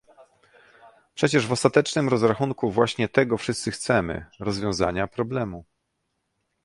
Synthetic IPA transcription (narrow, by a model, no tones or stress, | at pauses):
pʂɛt͡ɕɛʐvɔst̪at̪ɛt͡ʂnɘmɾɔzɾaxunkuvwaɕɲɛt̪ɛɡɔfʂɘst̪sɘxt̪sɛmɘ̰ɾɔzvʲjɔ̃w̃za̰ɲapɾɔblɛmu